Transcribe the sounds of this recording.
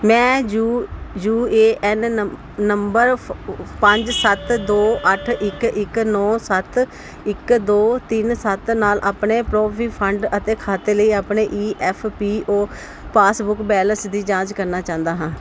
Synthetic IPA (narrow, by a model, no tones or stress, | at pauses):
mɛ̃ːujuːeːʔɛn | nəmbəɾpəɲd͡ʒsət̪d̪oːʔəʈʰɪkɪknɔːsət̪ | ɪkd̪oːt̪ɪnsət̪naːlʔaːpɳeːpɾoːpʰiːpʰəɳɖət̪eːkʰaːt̪eːləiːaːpɳeːʔiːʔɛːpʰpiːoː | paːsbʊkbɛːlənsd̪iːd͡ʒãːd͡ʒkəɾnaːt͡ʃãːnd̪aːɦãː